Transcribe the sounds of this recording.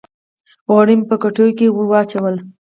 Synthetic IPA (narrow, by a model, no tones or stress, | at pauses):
ɣaɽimpəkaʈojkewəwɑt͡ʃawəl